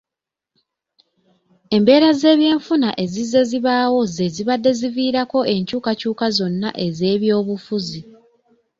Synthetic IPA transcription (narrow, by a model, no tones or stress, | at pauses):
e̞mbe̞ːɾaze̞ːβje̞ːɱfunaʔe̞zizːe̞ziβaːwo̞ze̞ziβadːe̞ziviːɾako̞e̞ɲcuːkacuːkazo̞nːaʔe̞ze̞ːβjo̞ːβufuzi